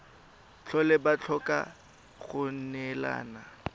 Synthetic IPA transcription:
t͡ɬʰɔlɛbat͡ɬʰɔkʼa̰ | ɣʊn̩nɛla̰ːna

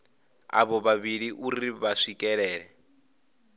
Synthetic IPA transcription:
a̰βɔβaβiɺiʔuɾiβaʂikʼɛɺɛːɺɛ

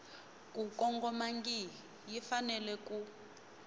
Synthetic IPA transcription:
k̬ʼukɔŋɡɔmaŋɡi | jifanɛlɛku

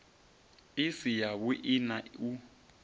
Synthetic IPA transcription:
ɪsijaβʊʔɪnau

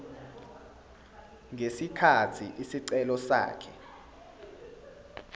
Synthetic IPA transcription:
ŋesikʰatʰiʔisiǀɛlɔsa̰ːkʰɛ

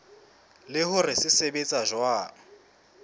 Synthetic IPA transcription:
lɪhʊrɪsɪsebet͡sʼaʒwaː

